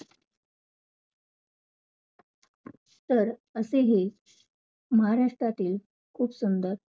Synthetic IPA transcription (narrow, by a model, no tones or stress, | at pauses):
t̪əɾəseɦe | məɦaɾaʂʈɾat̪iːl | kʰuːpsund̪əɾ